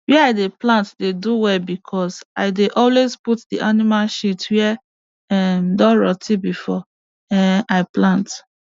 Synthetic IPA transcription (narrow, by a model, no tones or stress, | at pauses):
wɛaɪdeplãntdeduwɛlbikʰɔsaɪdeʔɔlwezputdiʔanimalʃitwɛ | ɛmdɔɹɔtʰibifɔ | ɛaɪplãnt